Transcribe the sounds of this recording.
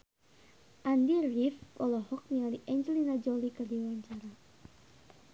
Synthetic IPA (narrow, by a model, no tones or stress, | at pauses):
ʔandirifkɔlɔhɔk̚nialiʔɛɲd͡ʒəlinad͡ʒɔlikərdiwaɲt͡ʃaɾa